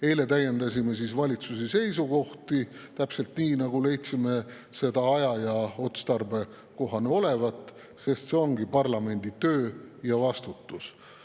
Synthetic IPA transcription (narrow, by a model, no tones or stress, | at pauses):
e̞jle̞t̪æje̞nd̪ɑsʲime̞sisvɑlʲit̪susese̞js̬uko̞ht̪it̪æpse̞lt̪niːnɑɡule̞jt̪sime̞ | se̞d̪ɑɑjɑjɑo̞t̪st̪ɑrbe̞ | ko̞ɦɑneo̞le̞vɑt̪ːˑ | se̞st̪se̞o̞ŋɡipɑrlɑme̞nʲd̪̥it̪øːjɑvɑst̪ut̪ːˑus